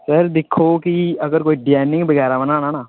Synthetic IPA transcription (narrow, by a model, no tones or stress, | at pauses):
səɾd̪ɪkʰːoːkiəɡəɾkoːiːɖɪɛːnɪ̃ŋɡbəɡɛːɾabənãːnaːnaː